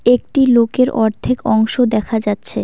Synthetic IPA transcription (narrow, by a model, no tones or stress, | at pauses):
ek̚ʈilokeɾʔɔɾd̪ʱekɔŋʃod̪ɛkʰad͡ʑatːɕʰe